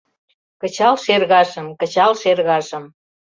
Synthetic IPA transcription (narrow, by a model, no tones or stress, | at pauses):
kət͡ɕɑlʃerɣɑʒə̆mkə̆t͡ɕɑlʃerɣɑʒə̆m